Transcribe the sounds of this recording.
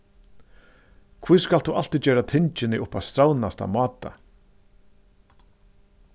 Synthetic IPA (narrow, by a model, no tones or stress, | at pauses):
kʰviːskalt̪uʔal̥t̪it͡ɕɛːɾat̪ʰɪnt͡ʃɪnɪʔʊpːavst̪ɾawnast̪a̰mɑːt̪a̰